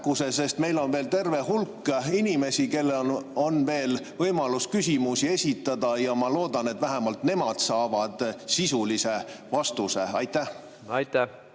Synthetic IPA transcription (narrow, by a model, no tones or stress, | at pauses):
kuse̞se̞st̪me̞jlo̞nve̞ːlt̪e̞rve̞hulkːinime̞sike̞lːeo̞nve̞ːlvɤjmɑluskysʲimusie̞sʲit̪ːˑɑd̪̥ɑjɑmɑlo̞ːd̪̥ɑne̞t̪væɦemɑlt̪ne̞mɑd̪̥sɑːvɑd̪̥sisulise̞vɑst̪use̞ɑjt̪ːæh | ɑjt̪ːæ